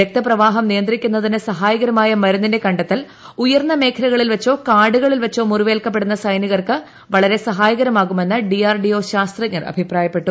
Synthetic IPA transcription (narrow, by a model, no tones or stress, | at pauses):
ek̚t̪ɐprɐʋaːɦɐmnijɐnd̪rikʲːunːɐðinɨsɐɦaːjɐɣɐɾɐmaːjɐmɐɾunːinde̞kɐɳɖɐt̪ːɐl | ujɐrnːɐme̞ːkʰɐlɐɣɐɭilʋɐt͡ɕːo̞ːkaːɽuɣɐɭilʋɐt͡ɕːo̞ːmuruʋeːlkɐp̬ːe̞ɽunːɐsɐjniɣɐrkɨ | ʋɐɭɐɾe̞sɐɦaːjɐɣɐɾɐmaːɣume̞nːɨɖiaːrɖio̞ːɕaːst̪rɐkɲːɐrɐ̰bʱipraːjɐpːe̞ʈːu